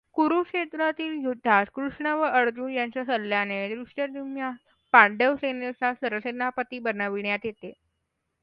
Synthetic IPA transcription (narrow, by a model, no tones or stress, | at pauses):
kuɾukʂet̪ɾat̪iːljud̪ʱːaskɾuʂɳaʋəʔəɾd͡ʑuːnjaɲt͡ɕjasəlːjaned̪ɾuʂʈəɾd̪imja | pãɳɖeʋsenesasəɾʋəsenːapət̪iːbənaʋiɳjat̪jet̪e